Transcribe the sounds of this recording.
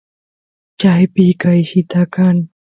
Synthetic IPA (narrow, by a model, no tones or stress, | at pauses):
t͡ɕaːjpiːkajhʰit̪aːkaːn